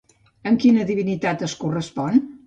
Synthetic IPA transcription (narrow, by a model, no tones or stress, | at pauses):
əŋkinəðiβinit̪at̪əskurəspɔn